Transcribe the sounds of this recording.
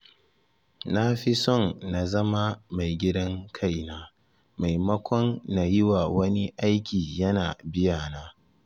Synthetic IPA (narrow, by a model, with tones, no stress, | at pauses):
na˦ɸi˦sɔ˦˨nːa˨zɐ˦ma˦ma˨jɡʲɪ˦dɐ˦ŋkʰa˦˨jnaː˦ | ma˨jmɐ˦kʷɔ˦nːa˨jɪ˦wa˨wɐ˦ni˦ʔa˦jkʲiː˨jɐ˦naː˨bɪ˦jaː˨naː˦